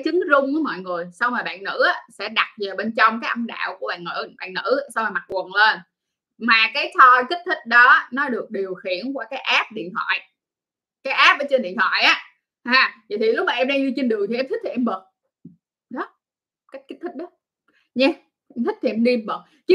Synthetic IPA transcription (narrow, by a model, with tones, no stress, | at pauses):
jt͡ɕɨ˨˦ŋzʊ˧ŋ͡mku˨˦mɔ̰˧˨jŋɨ˨˩əjsa˧wŋ͡mmaː˨˩ɓa̰ː˧˨nŋɨ̰˧˥ʔaː˨˦sɛ̰˧˥ɗa˨˩t̚və˨˩ɓe˧nt͡ɕɔ˧wŋ͡mkaː˨˦jʔə˧mɗa̰ː˧˨wku˧˩ɓa̰ː˧˨nŋɨ̰˧˩ɓa̰ː˧˨nŋɨ̰˧˥˧sa˧wŋ͡maː˨˩ma˨˩t̚wə˨˩nleː˧n | maː˨˩kaː˨˦jt̪ʰɔ˧ki˦˥t̟̚t̪ʰï˦˥k̟̚ɗɔ˨˦˧nɔ˨˦ɗɨ˨˩ək̚ɗi˨˩əwxḭ˧˨ənkwaː˧˩kaː˨˦jʔaː˦˥p̚ɗḭ˧˨ənhʰwa̰ː˧˨j | kaː˨˦jʔaː˦˥p̚əː˨˦t͡ɕe˧nɗḭ˧˨ənwa̰˧˨jʔaː˨˦ | haː˧˩va̰˨jt̪i˨˩lʊ˦˥k͡p̚maː˨˩ʔɛ˧mɗaː˧ɲɨ˧t͡ɕi˧nɗɨ˨˩əŋt̪ʰi˩ʔɛ˧mt̪ʰï˦˥tʰi˨˩ʔɛ˧mɓəː˨˩k̚ | ɗɔ˨˦ | ka˦˥k̟̚ki˦˥k̚t̪ʰï˦˥k̚ɗɔ˨˦ | ɲa˧ | ɛ˧mt̪ʰï˦˥k̚t̪ʰi˨˩ʔɛ˧mɗi˧mɓəː˨˩t̚ | t͡ɕ